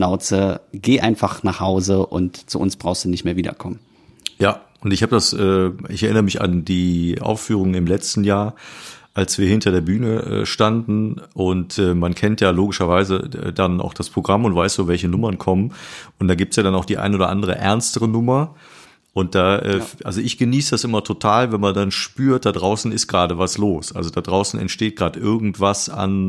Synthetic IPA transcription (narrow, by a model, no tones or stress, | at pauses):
naʊt͡səɡ̥eːʔaɪnfaχnaːχhaʊzəʔʊ̰ntt͡sṵʔʊ̰nsb̥ʁaʊxstd̥uːnɪçtmeːɐviːdɐ̰kʰɔmən | jaː | ʊntɪçhaːbədasʔɛːɪçɛɐʔɪnəʁəmɪça̰ndiːʔa̰ʊfyːʁ̞ʊŋənɪmlɛt͡stn̩jaːɐʔalsv̥iːɐhɪntɐɾeːɐbyːnəɛ̰ːʃtandn̩ʔʊntʔɛːmankʰɛntjaːloːɡɪʃɐvaɪzə̰ɛ̰ːdana̰ʊxd̥aspʁ̥oɡʁamʊntvaɪsd̥oːvɛlçənʊmɐnkʰɔmənʊntd̥aːɡiːp̚tsjaːɾanaʊxd̥iːʔa̰ɪnoːdɐ̰ʔa̰ndəʁ̞ə̰ʔɛ̰ɐnstəʁənʊmɐ | ʔʊnt̚d̥aːʔɛːʔa̰lzoʔɪçɡ̥əniːsəd̥asʔɪmɐtʰotʰaːlvɛnmandanʃpyːɐt̚d̥adʁaʊsn̩ɪstɡ̥ʁaːɾəvasloːsʔa̰lzodadʁaʊsn̩ɛ̰ntʃteːt̚ɡ̥ʁaːdʔɪɐɡŋ̩tv̥asa̰n